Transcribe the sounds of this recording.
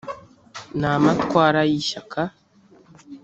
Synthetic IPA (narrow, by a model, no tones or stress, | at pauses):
naːmatwaːɾajiʃakʰa